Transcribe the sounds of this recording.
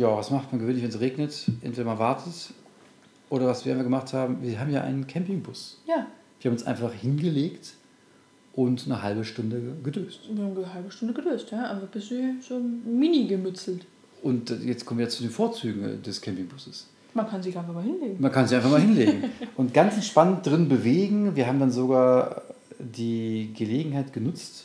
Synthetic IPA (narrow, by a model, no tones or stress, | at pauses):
jaːvasmaχtmanɡəvøːnlɪçvɛnsʁeːɡnətʔɛ̰ntveːɾɐmanvaɐtʰət | ʔoːɾɐvasv̥iːɐʔaɪnfaχɡəmaχthaːbm̩viːɐɦaːbm̩jaːʔa̰ɪnənkʰɛmpɪŋbʊsjaː | viːɐhaːmnʊnsʔaɪnfaχhɪnɡəleːkt | ʔʊntnəhalbəʃtʊndəɡədøːstviːhaːməəɦalbəʃtʊndəɡədøːstjaːʔaɪnfaχb̥ɪstziːz̥oːminiɡəmʏt͡sl̩t | ʔʊnt̚d̥jɛt͡stkɔmnvjɐjat͡sudeːnfoːɐt͡syːɡŋ̩dɛskʰɛmpɪŋbʊsəs | mankʰanziːʔaɪnfaχmalɪnleːɡŋ̩mankʰanziʔaɪnfaχmalhɪnleːɡŋ̩ʔʊntɡ̥ant͡sʔɛntʃpanənt̚dʁɪnbəveːɡŋ̩viːɐɦaːbm̩danzoɡaːɐ | diːɡəleːɡŋ̩haɪtɡ̥ənʊt͡st